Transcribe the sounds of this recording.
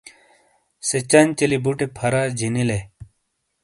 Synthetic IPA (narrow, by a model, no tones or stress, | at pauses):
set͡ɕant͡ɕelibuʈepʰɐɾaːd͡ʑinile